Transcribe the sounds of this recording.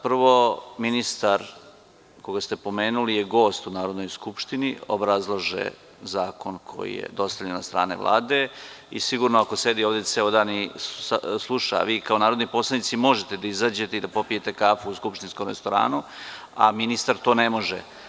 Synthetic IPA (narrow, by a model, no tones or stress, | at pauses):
prʋo̞minist̪aɾ | ko̞ɡast̪e̞po̞me̞ːnulijeɡo̞ːst̪unaːɾo̞d̪no̞jskupʃt̪inio̰bɾazlˠoʒḛ | zaːko̞nkʰo̞̰jḭjḛd̪o̞st̪aʎenːast̪ɾa̰ːne̞̰ʋlʔa̰ːd̪e̞ | ḭsiɡuɾnoako̞se̞d̪ioːʋd̪eseod̪aːniaslˠuʃa̰ʋiːkao̞naːɾod̪nipo̞slˠad̪nit̪simo̞ʒet̪ed̪aizaːd͡ʑe̞t̪e̞id̪apo̞pije̞t̪e̞kaːfuuskupʃt̪inskomɾest̪o̞ɾa̰ːnu | a̰minist̪aɾt̪o̞ːnemo̞ʒḛ